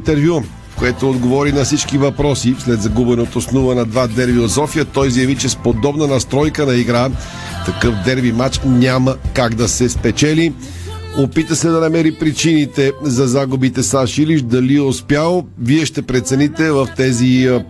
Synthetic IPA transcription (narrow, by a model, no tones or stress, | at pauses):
t̪ɛɾvju | koɛt̪oːd̪ɡovɔɾinɐfsit͡ʃkivɐpɾɔsislɛd̪zɐɡubɛnot̪osnuvənɐd̪vad̪ɛɾviosɔfiət̪ɔjzjɐvit͡ʃɛspod̪ɔbnənɐst̪ɾɔjkənɐiɡɾa | t̪ɐkɤfd̪ɛɾvimat͡ʃnʲaməkaɡd̪ɐsɛspɛt͡ʃɛli | opit̪əsɛd̪ɐnɐmɛɾipɾit͡ʃinit̪ɛzɐzaɡubit̪ɛsaʃiliʃd̪ɐliospjalˠoviɛʃt̪ɛpɾɛt̪sɛnit̪ɛvəft̪ɛzi